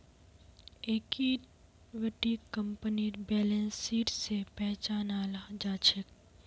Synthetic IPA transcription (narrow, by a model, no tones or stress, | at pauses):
eːki | ʋəʈikə̃mpəniɾbɛːlẽnsiːʈsepɛɦt͡ʃaːnaːlad͡ʒaːt͡ʃʰək